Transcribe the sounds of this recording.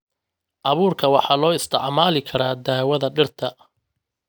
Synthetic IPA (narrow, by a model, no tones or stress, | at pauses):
ʔɑβuːrkʰɐwɑħɑːlɔːɪst̪ʰɪʕmaːlɪkʰɐɾaːd̪aːwɐðɐɖɪrt̪ʰɐ